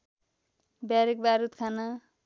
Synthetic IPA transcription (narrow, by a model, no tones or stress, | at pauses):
baɾik̚baɾut̪kʰana